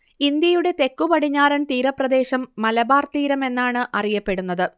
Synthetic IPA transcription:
ind̪jɐjuɽe̞t̪e̞kːupɐɽiɲːaːɾɐnt̪iːɾɐprɐd̪e̞ːɕɐmːɐlɐbaːrt̪iːɾɐme̞nːaːɳɨʔɐrijɐpːe̞ɽunːɐðɨ

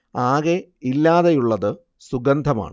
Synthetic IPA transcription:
aːɣeilːaːðɐjuɭːɐðɨ | suɡɐnd̪ʱɐma̰ːɳɨ

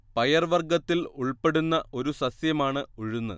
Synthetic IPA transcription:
pɐjɐrʋɐrɡɐt̪ːiluɭpe̞ɽunːɐʔo̞ɾusɐsjɐmaːɳɨoɻunːɐ

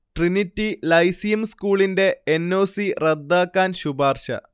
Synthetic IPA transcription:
ʈrinitːilɐjsijɐmskuːɭinde̞ːnːo̞ːsired̪ːaːkːaːnɕubaːrɕɐ̰

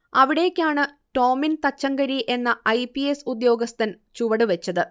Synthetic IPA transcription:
ɐʋiɽejkʲːaːɳɨ | ʈo̞ːmint̪ɐt͡ɕːɐŋɡɐɾiʔe̞nːɐʔɐjpiesud̪jo̞ːɡɐst̪ɐn | t͡ɕuʋɐɽɨʋet͡ɕːɐðɨ

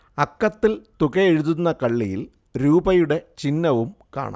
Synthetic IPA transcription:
ɐkːɐt̪ːilt̪uɣɐeɻuðunːɐkɐɭːijḭl | ɾuːbɐjuɽe̞t͡ɕinːɐʋumka̰ːɳa̰

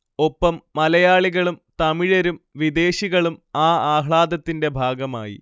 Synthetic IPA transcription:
o̞pːɐmːɐlɐjaːɭiɣɐɭumt̪ɐmiɻɐɾumʋid̪e̞ːɕiɣɐɭumaːaːɦɭaːd̪ɐt̪ːinde̞bʱaːɡɐma̰ːjḭ

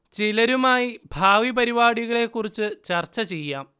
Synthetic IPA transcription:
t͡ɕilɐɾumaːjibʱaːʋibɐɾibaːɽiɣɐɭe̞kːurit͡ɕːɨt͡ɕɐrt͡ɕɐt͡ɕe̞jːaːm

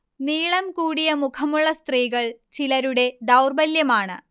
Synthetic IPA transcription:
niːɭɐmkuːɽijɐmukʰɐmuɭːɐst̪riːɣɐɭt͡ɕilɐɾuɽe̞d̪ɐwrbɐljɐmaːɳɨ̰

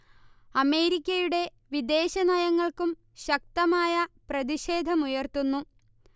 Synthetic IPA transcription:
ɐme̞ːɾikʲːɐjuɽe̞ | ʋid̪e̞ːɕɐnɐjɐŋːɐɭkum | ɕɐk̚t̪ɐmaːjɐprɐðiɕe̞ːd̪ʱɐmujɐrt̪unːu

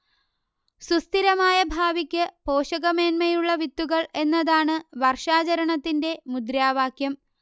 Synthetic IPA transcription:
sust̪iɾɐmaːjɐbʱaːʋikʲːɨpo̞ːɕɐɣɐme̞ːnmɐjuɭːɐʋit̪ːuɣɐɭe̞nːɐðaːɳɨʋɐrʂaːt͡ɕɐɾɐɳɐt̪ːinde̞mud̪ɾaːʋaːkʰjɐm

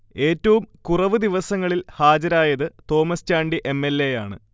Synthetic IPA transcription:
e̞ːtːɐʋumkurɐʋɨd̪iʋɐsɐŋːɐɭilhaːd͡ʑɐɾaːjɐðɨt̪o̞ːmɐst͡ɕaːɳɖiʔe̞mːelːejaːɳɨ

